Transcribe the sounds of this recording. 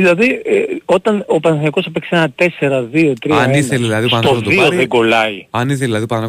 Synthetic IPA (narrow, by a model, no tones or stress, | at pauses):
ðilɐðieo̞t̪ɐno̞pɐnsɐɐko̞sɐpeksenɐt̪e̞se̞ɾɐðio̞t̪ɾiɐiθeɐðisɐt̪o̞ðioðeɡo̞lɐiɐniθeðilɐðiopɐn